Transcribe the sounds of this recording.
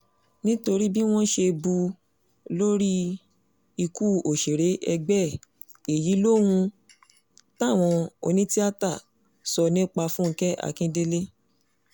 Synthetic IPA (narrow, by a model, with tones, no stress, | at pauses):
nĩ˦to˧ɾi˦bi˦w̃ɔ̃˦ʃe˧bu˧ | lo˦ɾi˦ | i˧ku˦˨o˨ʃe˨ɾe˨˦ʔɛ˧ɡ͡bɛ˦˨ | e˨ji˨˦lo˦hũ˧ | ta˦˨w̃ɔ̃˧o̰˧nĩ˦ti˦a˦ta˦˨ | sɔ˧nĩ˦k͡pa˧fũ˦ŋ̩˧kɛ˦a̰˦˨kĩ˦de˦le˦